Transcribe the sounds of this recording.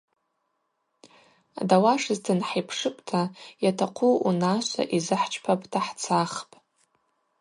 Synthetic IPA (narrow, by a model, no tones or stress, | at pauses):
a̰dawaʂɨzdʰɨnħaijpʰʂɨpʷʼtʰajatʰaqʷʰuunaʃʷa̰ʔizɨħt͡ʃʰʼpʰapʼtʰaħt͡sʰaχpʼ